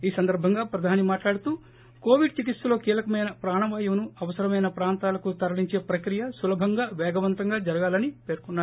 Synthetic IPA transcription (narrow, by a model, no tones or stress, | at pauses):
iːsɐnd̪ɐɾbʱɐŋɡaːpɾɐd̪ʱaːnimaːʈlaːɽut̪uː | ko̞ːʋiɖt͡ʃikit̪sɐlo̞ːkiːlɐkɐmɐjnɐpɾaːɳɐʋaːjɐmnuɐʋɐsɐɾɐmɐjnɐpɾaːnt̪aːlɐkut̪ɐɾɐɭiɲt͡ʃe̞ːpɾɐkɾijɐsulɐbʱɐŋɡaːʋɛːɡɐʋɐnt̪ɐŋɡaːd͡ʒɐɾɐɡaːlɐnipeːɾkɔnːaːɾ